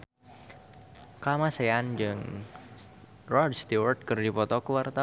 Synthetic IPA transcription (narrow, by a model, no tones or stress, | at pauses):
kamaseand͡ʒɨŋ | rɔrdst̪iwərd̪̚kɨrdipɔt̪ɔkuwart̪a